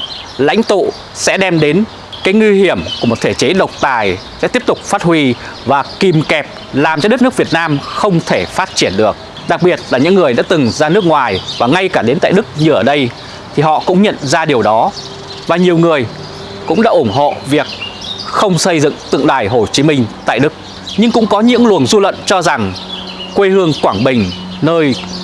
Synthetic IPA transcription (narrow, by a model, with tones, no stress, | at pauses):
la̰˧˥jŋ̟t̪ṵ˧˨ | sɛ̰˧˥ɗɛ˧mɗe˨˦n | kaː˨˦jŋwi˧hi˧˩əmkku˧˩mo˨˩t̪̚ʰe˧˩t͡ɕe˨˦ɗə˨˩wk͡p̚t̪aː˨˩jsɛ̰˧˥t̪i˦˥əp̚t̪ʊ˨˩k͡p̚faː˦˥t̚hwi˧ | vaː˨˩ki˨˧˩mkɛ˨˩p̚ | laː˨˩mt͡ɕɔ˧ɗ̚n˦˥kvi˨˩ət̚naː˧mxə˧wŋ͡mt̪ʰe˧˩faː˦˥t̚t͡ɕi˧˩ənɗɨ˨˩ək̚ | ɗa˨˩k̚ɓi˨˩ət̚laː˨˩ɲɨ̰˧˥ŋːɨ˨˩əjɗa̰ː˧˥t̪ɨ˨˩ŋzaː˧nɨ˦˥ək̚ŋwaː˨˩jvaː˨˩ŋa˧jkaː˧˩ɗe˨˦nt̪a̰ː˧˨jɗɨ˦˥k̚ɲɨ˨˩ʔəː˧˩ɗə˧j | t̪ʰi˨˩hɔ̰˧˨kʊ̰˧˥ŋ͡mɲə̰˧˨nzaː˧ɗi˨˩əwɗɔ˨˦ | vaː˨˩ɲi˨˩əwŋɨ˨˩əj | kʊ̰˧˥ŋ͡mɗa̰ː˧˥ʔʊ˧˩nɦo̰˧˨vi˨˩ək̚ | xə˧wŋ͡msə˧jzɨ̰˧˨ŋt̪ɨ̰˧˨ŋɗa̰ː˧˩jɦo˨˩t͡ɕi˨˦mï˧ŋ̟t̪a̰ː˧˨jɗɨ˦˥k̚ | ɲɨ˧ŋkʊ̰˧˥ŋ͡mkɔ˨˦ɲɨ̰˧˥ŋlu˨˩ənzu˧lwə̰˧˨nt͡ɕɔ˧za˨˩ŋ | kwe˧hɨ˧əŋkwaː˧˩ŋɓï˨˩ŋ̟ | nəː˧j